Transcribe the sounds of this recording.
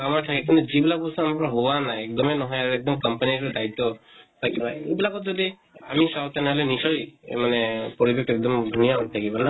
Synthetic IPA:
amaɹtʰakɛk̬int̪uzibilak̚bɔsɔamakɔɹɔɦowanaɛk̚d̪ɔmɛnɔɦɔjaɹuɛk̚d̪ɔmkɔmpanitɔdajt̪ːɔtʰakibajebilakɔtzɔdi | a̰misawt̪enɛɦɔlɛnisɔjḛmanɛpɔɹibʱek̚ʰɛk̚d̪ɔmd̪ʱunijant̪ʰakibɔna

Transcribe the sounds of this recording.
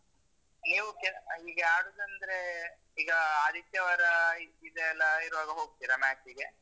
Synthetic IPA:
niːʋukeiːɡɐaːɽud̪ɐnd̪ɐɾe | iːɡɐaːd̪ʱit̪jɐʋɐɾɐiid̪ɛːlːɐiɾʋaːɡɐɦoːɡ̚t̪iːɾɐmaːʈiɡe

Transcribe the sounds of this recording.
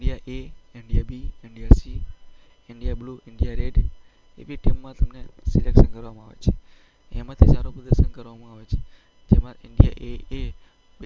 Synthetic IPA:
ɳɖijaʔeɪɳɖijabieɳɖiaɾsi | ɪɳɖijabluʔɪɳɖijaɾeɖ | epiʈemːãt̪əmnesilekʃənkəɾʋamãa̰ʋḛt͡ʃʰe | ḛmãt̪ʰisaɾopud̪əɾʃənkəɾʋamãaʋet͡ʃʰe̥ | d͡ʒemãʔɪɳɖija̰ʔee

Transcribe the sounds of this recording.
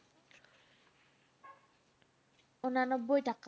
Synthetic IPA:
onanɔbːojʈak

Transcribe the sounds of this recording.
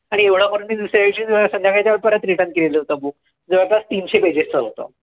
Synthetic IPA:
aɽ̃ieʋɽ̤akəɾuːnmiːd̪usɾjaʋiɕiːd͡zsənd̪jakʰajt͡ɕjaʋəɽpəɾat̪ɾiʈə̃nkileləɦot̪əbuk̚ | d͡zəʋəɭpast̪iːnɕebed͡ʑest͡səɦot̪ə̰

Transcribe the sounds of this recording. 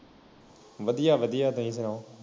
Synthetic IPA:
ʋəd̪ijaːʋəd̪ijaːt̪ɐĩːs̬ənãː

